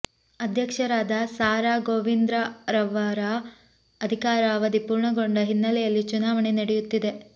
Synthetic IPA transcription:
ɐd̪ʱjɐkʂɐɾaːd̪ɐsaːɾaːɡoːʋind̪ɾɐɾɐʋaːɾa | ɐd̪ʱikaːɾaːʋɐd̪ipuːɾɳɐɡo̞ɳɖɐɦinːɐlɛjɐlːit͡ʃunaːʋɐɳenɐɽejut̪ːid̪e̞

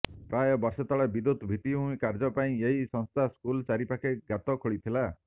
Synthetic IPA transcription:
pɾajɔbɔɾsɔt̪ɔɭebid̪ut̪bʱit̪iɦũĩkaɾd͡ʒɔpaĩeɦisɔŋst̪ʰaskult͡ʃaɾipakeɡat̪ɔkʰoɭit̪ʰila

